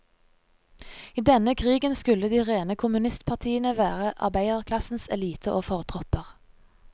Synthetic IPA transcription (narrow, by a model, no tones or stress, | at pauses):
iːd̪ɛnəkʰʁiːɡənskʉləd̪iːʁeːnəkʰʊmʉnɪst̪pʰɑʁt̪ʰiːənəʋæːʁəʔɑ̰ʁbæɪəʁkʰlɑsn̩sɛ̰liːt̪ʰəʔoːfɔʁt̪ʰʁɔpəʁ